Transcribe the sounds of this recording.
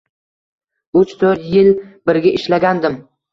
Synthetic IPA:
ʊt͡ʃt̪ʰɵɾt̪jɪlbɪɾɡʲaʔɪʃlaɡʲand̪ɪm

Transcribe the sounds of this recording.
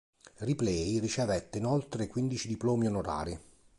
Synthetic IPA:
riplɛjrit͡ʃevɛt̪ːeinolt̪ɾekwind̪it͡ʃid̪iploːmionoɾa̰ːɾi

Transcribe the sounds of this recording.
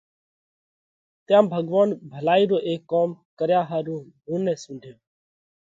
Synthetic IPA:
t̪jãːmbʱəɡʋaːnbʱəlaːiːɾoːʔeːkːoːmkəɾjaːɦaːɾũːɦuːnɛ̃ːsũːɳɖʱjoː

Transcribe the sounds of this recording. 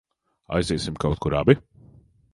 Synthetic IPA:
a̰jzɛːsimkawt̪̚kuɾabi

